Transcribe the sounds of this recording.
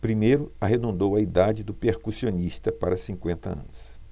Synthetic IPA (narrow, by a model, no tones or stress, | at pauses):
pɾimejɾʊaɦed̪ũnd̪owɐid̪ad͡ʒɪd̪ʊpeɾkusionist̪ɐpaɾɐsĩŋkwẽnt̪ɐ̰ɐ̰̃nʊs